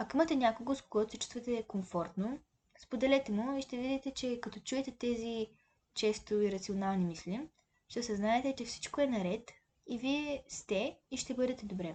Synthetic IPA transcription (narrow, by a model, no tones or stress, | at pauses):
ɐkoimɐt̪ɛnʲakoɡoskoɡɔt̪ʊset͡ʃu̥st̪vɐt̪ɛkomfɔɾt̪no | spod̪ɛlɛt̪ɛmuiʃt̪ɛvid̪it̪ɛt͡ʃɛkɐt̪ɔt͡ʃuɛt̪ɛt̪ɛzi | t͡ʃɛst̪ʊiɾɐt̪sionalˠnimislʲim | ʃt̪ɛsɛznaɛt̪ɛt͡ʃɛfsi̥t͡ʃkoɛnɐɾɛt̪ | iviɛst̪ɛiʃt̪ɛbɤd̪ɛt̪ɛd̪obɾɛ